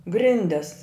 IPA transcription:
ˈɡrʲɪnʲdʲɛs

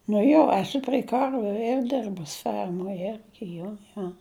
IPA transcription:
nʊ ˈjoː ɛˈsʊ pʲrʲɛɪ ˈkɐrʲʋʲʊ ɛr ˈdʲɛrbʊs ˈfʲɛrmoːj ˈɛrʲɡʲɪ ˈjoː ˈjoː

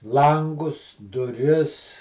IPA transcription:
ˈlˠɐŋɡʊs dʊˈrʲɪs

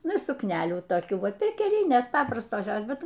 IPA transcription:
ˈnʊ sʊkˈnʲæːlʲuː toːˈkʲuː ˈʋɐ pʲɛrʲkʲɛˈlʲɪnʲeːs ˈpɑːprɐstoːs ˈjoːs ˈbʲɛt

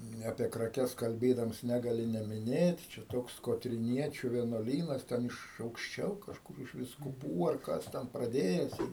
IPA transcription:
ˈnʲɛ ɐpʲiɛ krɐˈkʲɛs kɐlʲˈbʲeːdɐms ˈnʲæːɡɐlʲɪ nʲɛmʲɪˈnʲeːt t͡ʃʲɛ ˈtoːks koːtʲrʲɪˈnʲiɛt͡ʃʲʊ ʋʲiɛnuɔˈlʲiːnɐs ˈtʲɛn ɪʃ ɐʊkʃʲˈt͡ʃʲɛʊ kɐʃˈkʊr ɪʃ ʋʲɪskʊˈpuː ɐr ˈkɐs tʲɛn prɐˈdʲeːjɛs ɪr

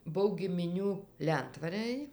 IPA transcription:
ˈbʊw ɡʲɪmʲɪˈnʲuː ˈlʲɛntʋɐrəj

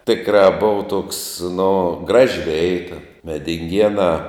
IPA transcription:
ˈtʲɪkrɑː ˈbʊʋɐ toːks nʊ ˈɡrɑːʒʲɪ ˈʋʲɛɪtɐ mʲɛdʲɪŋʲˈɡʲiɛnɑː

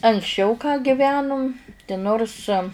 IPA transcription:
ɐŋksʲˈt͡ʃʲɛʊ kɑː ɡʲɪˈʋʲæːnʊm tʲɪ ˈnoːrs

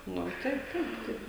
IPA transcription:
ˈnʊ ˈtɐɪ ˈtɐɪp ˈtɐɪp

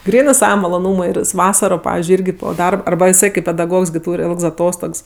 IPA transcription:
ˈɡrʲiːnɜ ˈsɑːʋɐ mɐlˠoːˈnuːmʊɪ ɪr jɪs ˈʋɑːsɐroː ˈpɑːʋʲɪzʲd͡ʒʲʊɪ ˈɪrʲɡʲɪ poː ˈdɐrp ɐrˈbɐ ɪˈsɐɪ kɐɪp pʲɛdɐˈɡoːks ˈtuːrʲ ˈɪlˠks ɐˈtoːstoːks

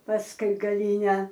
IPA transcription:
pɐsˈkʊɪ ɡɐˈlʲiːnʲɛ

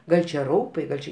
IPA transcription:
ˈɡɐlʲ t͡ʃʲɛ ˈrɐʊpɐɪ ˈɡɐlʲ t͡ʃʲɪ

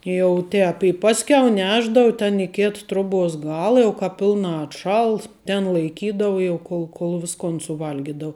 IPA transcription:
jɛʊ ˈtʲɛːp ɪ ˈpɑːsʲkʲɛʊ ˈnʲæːʒdɐʋʊ tʲɛn ɪ ˈkʲeːt troːˈbuɔs ˈɡɑːlˠɐ jɛʊ ˈkɑːp ˈpʲɪlˠnɑː ɐtˈʃɐlˠs tʲɛn lˠɐɪˈkʲiːdɐʋʊ jɛʊ ˈkoːlˠ koːlˠ ˈʋʲɪskoːn sʊˈʋɐlʲɡʲɪdɐʋʊ

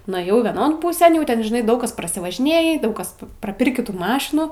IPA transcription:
nʊeːˈjɛʊ ʋʲiɛˈnoːn ˈpuːsʲeːn jɛʊ ˈtʲɛn ʒʲɪˈnɐɪ ˈdɐʊk kɐs prɐsʲɪʋɐʒʲɪˈnʲeːjiː ˈdɐʊk ˈkɐs prɐˈpʲɪrʲkʲiː ˈtuː ˈmɑːʃʲɪnuː

